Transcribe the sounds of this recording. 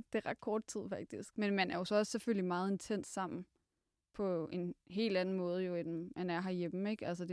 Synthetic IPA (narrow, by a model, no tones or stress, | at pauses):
d̥e̝ʁɑ̈d̥̚kʰɒːd̥̚t͡sʰið̰ˠfɑ̈ɡ̥̚d̥isɡ̥menmænæɐjo̝sɒ̽ɒ̽sseføl̰limɑ̈ːð̩ˠe̝nt͡sʰen̰ssɑ̈m̰n̩ | pʰɒ̽e̝nɦe̝̰ːld̥ænn̩mɔ̽ːð̞̩ˠəjo̝enm̩mænæɐɦɑ̈jem̩eɡ̥æls̬əd̥e